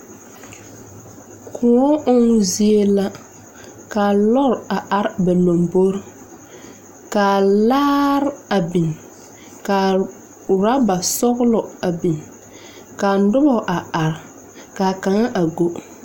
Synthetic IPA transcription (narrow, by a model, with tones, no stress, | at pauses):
kʰʊ˨ɔ˦ʔʊ˦ŋ˦zi˦e˦la˦ | kaː˨lɔ˦ɾa˨ʔa˨ɾba˨lo˨mbo˦ɾ | kaː˨laː˦ɾa˨bi˨n | ka˨ | ɾa˦ba˨sɔ˦ɣlɔ˨a˨bi˨n | kaː˨n˦dʊ˦bɔ˨ʔa˨a˨ɾ | kaː˨ka˨ŋa˦ʔa˨ɡo˦